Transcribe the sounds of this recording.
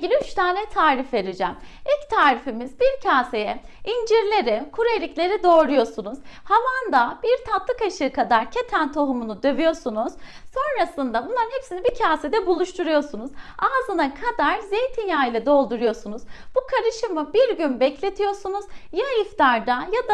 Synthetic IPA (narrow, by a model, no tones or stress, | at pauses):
ɡilʲiyt͡ʃt̪ʰaːnɛt̪ʰaːɾifve̞d̪ed͡ʒɛmict̪ʰaːɾifimizbiɾcʰaːse̞jɛ | ind͡ʒiɾlʲe̞ɾɛkʰuɾelʲiclʲe̞ɾid̪o̞ːɾujo̞sunuz̥havand̪ab̥iɾt̪ʰat̪lˠɯkaʃɯkʰad̪aɾcʰe̞t̪ʰænt̪ʰo̞ɦumunud̪ø̞vyjo̞sunuz̥so̞nɾasɯnd̪abunlˠaɾɯnhepsinibicʰaːse̞d̪ɛbulˠuʃt̪ʰuɾujo̞sunuzaːzɯnakʰad̪aɾzejt̪ʰinjaːjlʲˠɛd̪o̞lˠd̪uɾujo̞sunuz̥b̥ukʰaɾɯʃɯmɯbiɾɟynbɛclʲe̞t̪ʰijo̞sunuz̥jaift̪ʰaɾd̪ajad̪a